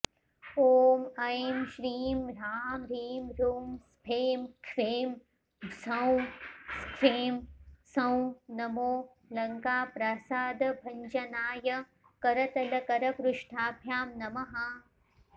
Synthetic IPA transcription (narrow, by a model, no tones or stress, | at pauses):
oːmɐjmʃɾiːmɾaːmɾiːmɾuːmspʰeːmkʰʋeːm | sɐ̃w̃skʰeːmsɐ̃w̃nɐmoː | lɐŋkaːpɾasaːd̪bʱɐɲd͡ʒɐnaːjɐ | kɐɾɐt̪ɐlɐkɐɾɐkɾʊʃʈʰaːbʱjaːmnɐmɐɦa